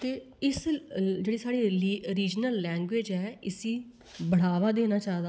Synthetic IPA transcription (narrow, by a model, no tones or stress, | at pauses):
t̪eː | ɪsd͡ʒeːɽeːsaːɽeːliːɾiːd͡ʒnəlːɛ̃ːŋɡʋeːd͡ʒɛːɪsĩː | bəɽ̤aːʋaːd̪eːnaːt͡ʃaːɦd̪aː